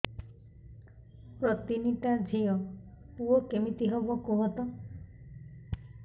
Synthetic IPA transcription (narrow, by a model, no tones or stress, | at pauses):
pɾɔt̪init̪ad͡ʒʱijɔ | puɔkemit̪iɦobɔkuɦɔt̪ɔ